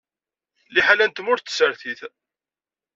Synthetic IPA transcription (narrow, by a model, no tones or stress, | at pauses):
liħalænt̪əmʊɾθsəɾθiθ